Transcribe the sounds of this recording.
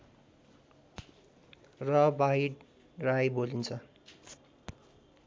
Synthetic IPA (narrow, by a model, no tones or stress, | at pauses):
rʌbaɦiɽ | rajbolint͡sʰʌ